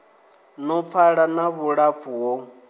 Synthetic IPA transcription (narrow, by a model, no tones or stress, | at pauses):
nɔp̪fʰaɺanaβuɺafuwo